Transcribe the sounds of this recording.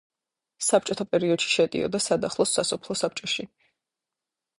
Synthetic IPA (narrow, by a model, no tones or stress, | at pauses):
sap̚ʰt͡ʃʼɔt̪ʰapʼɛɾiɔd̪̥ʃi̥ʃɛt̪ʼḭɔ̰d̪asad̪aχlˠɔsːasɔpʰlˠɔsap̚t͡ʃʼɔʃi